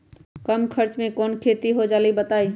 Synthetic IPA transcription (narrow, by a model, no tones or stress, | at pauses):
kəmkʰəɾt͡ʃmẽkɔːnkʰeːt̪iɦod͡ʒaːlibət̪aːi